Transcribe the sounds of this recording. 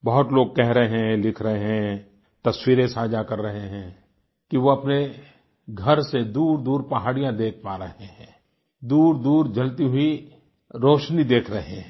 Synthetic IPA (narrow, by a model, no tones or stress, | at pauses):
bɐɦʊt̪loːɡ̚kɛɦɾɐɦɛ̃lɪkʰɾɐɦeɦɛ̃ | t̪ɐswiːɾesaːd͡ʒakɐɾːɐɦeɦɛ̃ː | kiʋoɐpne | ɡʱɐɾsed̪uːɾd̪uːɾpɐɦaːɽijãd̪eːk̚ʰpaːɾɐɦeɦɛ̃ː | d̪uːɾd̪uːɾd͡ʒɐlt̪iɦʊi | ɾoːʃnid̪eːkʰɾɐɦẽ